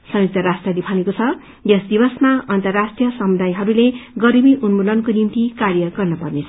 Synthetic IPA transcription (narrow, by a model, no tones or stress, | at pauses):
sʌjuk̚t̪ʌɾasʈrʌd̪ipʰanekot͡sʰʌ | jʌsd̪ibʌsmaʌnt̪ʌrːasʈrijʌsʌmud̪ajɦʌɾuleɡʌɾimiʔunmulʌnkonimt̪ikarjʌɡʌrnʌpʌrnet͡sʰʌ